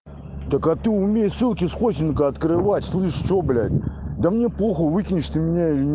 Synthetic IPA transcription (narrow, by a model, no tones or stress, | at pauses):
d̪̥əkat̪ɨʊmʲejsɨlˠkʲɪsxosʲɪnkəɐt̪kɾɨvatʲslˠɨʂt͡ʃoblʲæ̰tʲd̪əmnʲeplˠoxəvɨkʲɪnʲɪʂt̪ɨmʲɪnʲailʲɪnʲ